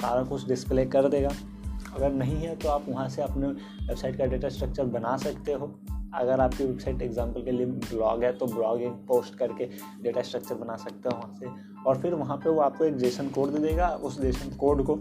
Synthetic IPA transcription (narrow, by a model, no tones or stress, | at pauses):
ba̰ːɾə̃kʊʊsʰɖɪspleːkɐɾd̪eːɡaː | ɐɡəɾnɐɦĩɦɛt̪oaːpʋɐɦãseɐpne | ʋebsaɪʈkaɖeːʈasʈɾɐk̚t͡ʃəɾbɐnasɐkt̪eɦoː | ɐ̰ɡəɾaːp̚kiʋebsaːɪʈeːɡzãːmpəlkelieblɔ̰ːɡɦɛt̪oblɔːɡɪ̃ŋpoːsʈkɐɾke | ɖeːʈasʈɾɐk̚t͡ʃəɾbɐnaːsɐk̚t̪eɦɛʋɐɦãse | ɔːɾfɪɾʋɐɦãpeʋoaːp̚koeːkɖ̪eːʃənkoːɾɖd̪eːd̪eːɡaʊsd̪eːʃənkoːɾɖko